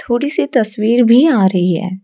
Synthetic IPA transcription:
t̪ʰoːɽisit̪ɐswiːɾbʱiaːɾɐɦiɦɛ̰ː

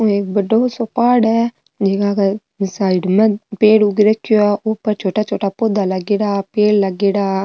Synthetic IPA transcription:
oek̚bəɖoːsopaːɽɛː | d͡ʒeːkakː | saːɪɖmɛ̃peːɽuɡɾəkʰːɪjoaːʔʊpəɾt͡ʃʰoːʈaːt͡ʃʰoːʈaːpoːd̪aːləɡeːɽaːpeːlləɡeːɽaː

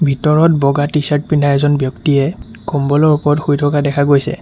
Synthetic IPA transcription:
bʱitɔɹɔt̚bɔɡatisaɹt̚pindʱaɛzɔnbjɔktiɛ | kɔmbɔlɔɹupɔɹɔtxujtʰɔkadɛkʰaɡojsɛ̰

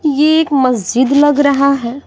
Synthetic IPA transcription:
jeːkmɐsd͡ʒɪd̪lɐɡɾɐɦaɦɛː

